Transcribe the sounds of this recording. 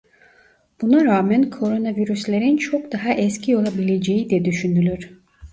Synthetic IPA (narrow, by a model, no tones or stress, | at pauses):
b̥unaɾaːmænkʰo̞ɾo̞naviɾyslʲeɾint͡ʃʰo̞kd̪aɦaʔɛscʰio̞lˠabilʲe̞d͡ʒejid̪ɛd̪yʃynylʲyɾ̥